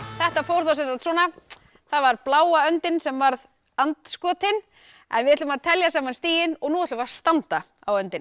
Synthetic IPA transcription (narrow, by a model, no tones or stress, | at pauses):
θɛht̪afowɾ̥θawsɛnsant̪sɔːna | θaðvaɾplaːwaœnt̪ɪnsɛmvaɾð | ant̪skɔːt̪ɪn | ɛ̰nvɪɛt̪ʏmaðt̪ʰɛljasaːmanst̪iːjɪnɔɣnuːɛt̪lʏmast̪ant̪a | a̰wœnt̪ɪn